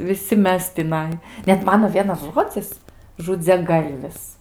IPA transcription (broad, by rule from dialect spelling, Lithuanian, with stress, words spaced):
ʋʲɪˈsʲɪ ˈmʲɛs tʲɪˈnɐɪ ˈnʲɛt ˈmɑːnoː ˈʋʲiɛnɐs ˈʒoːd͡zʲɪs ʒʊd͡zʲɛˈɡɐlʲʋʲɪs